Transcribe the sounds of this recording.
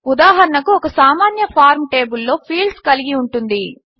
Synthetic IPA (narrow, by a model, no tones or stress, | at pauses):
ud̪aːɦɐɾɐɳɐkuɔkɐsaːmaːnjɐpʰaːɾmʈe̞ːbulːo̞ːpʰiːlɖskɐliɡiuɳʈund̪i